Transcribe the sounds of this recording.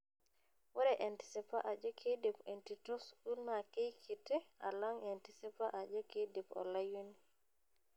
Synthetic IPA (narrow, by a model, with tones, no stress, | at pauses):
wɛ˦ɾɛʔanti̥˨sipa˦ʔa˨d͡ʒɔ˦kʰe˦de˨pentitɔ˦sku˦lma˨ke˦jkʰi˨te˦a̰lɔ˦ŋantisi˦pa˦ʔa˨d͡ʒɔ˦ke˦depɔ̰˨laju˦ni